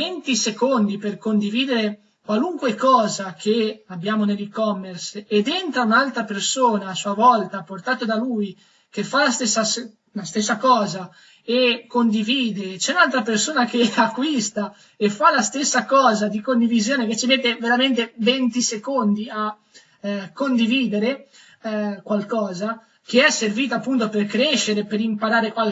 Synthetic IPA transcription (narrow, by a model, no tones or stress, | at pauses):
ent̪isekond̪iperkond̪iviːd̪eɾe | kwaluŋkwekɔːzakʰeabːjaːmonelikɔmːersed̪ent̪ɾaunalt̪ɾapersoːnaːsuavɔlt̪aport̪aːt̪od̪aluj | k̟efalast̪esːas | last̪esːakɔːza | ekːond̪iviːd̪et͡ʃɛunalt̪ɾapersoːnak̟eakːwist̪a | efalast̪esːakɔːzad̪ikond̪ivizjoːneket͡ʃimet̪ːeveɾament̪event̪isekond̪ia | kːond̪iviːd̪eɾe | kwalkɔːza | keɛsːerviːt̪aːpːunt̪operkɾeʃːeɾepeɾimpaɾaːɾekwal